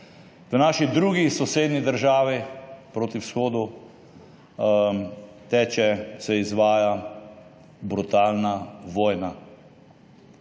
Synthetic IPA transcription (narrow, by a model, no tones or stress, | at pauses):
ʋənaːʃid̪ɾuɡisɔseːd̪nid̪əɾʒaːʋipɾoːt̪iwsxoːd̪u | t̪ɛːt͡ʃɛsɛizʋaːja | bɾut̪aːlnaʋɔːjna